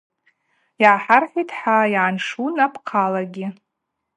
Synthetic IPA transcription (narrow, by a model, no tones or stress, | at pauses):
jʕaħarħitʰħajʕanʂunapʰqʰalaɡʲɪ